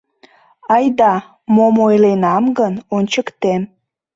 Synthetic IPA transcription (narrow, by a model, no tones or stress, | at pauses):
ɑjd̪ɑ | momojlenɑmɡənonʲt͡ɕəkt̪em